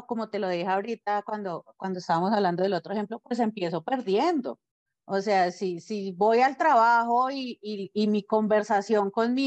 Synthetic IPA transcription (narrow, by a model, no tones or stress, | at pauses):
ko̞mot̪e̞lo̞ðixaoɾit̪akwand̪okwand̪oest̪aβamosaβland̪oðelot̪ɾoehe̞mplopwe̞s̬e̞mpje̞so̞pe̞ɾðje̞nd̪o̞ | ose̞asisiβo̞jalt̪ɾaβaxo̞iːmiko̞mbe̞ɾsasjo̞ŋko̞nmi